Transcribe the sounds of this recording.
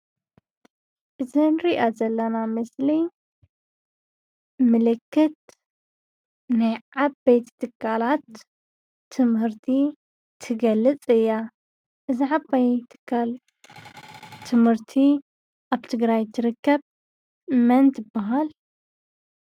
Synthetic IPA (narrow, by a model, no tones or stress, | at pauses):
ʔɨzinɾiʔazɐlːɐnamɨsli | mɨlɨkːɨt̪̚ | najabbejt̪t̪ʰɨkʰːalat̪ʰː | ɨmhɨɾt̪ʰi | t̪ʰɨɡɐlɨt͡sʼɨjːa | ʔɨziħabajt̪ʰɨ̥kʰːal | t̪ʰɨmhɨɾt̪ʰi | ʔaβt̪ʰɨɡɾajt̪ʰɨɾɨkʰːɐb | mɐnt̪ɨbːaɦal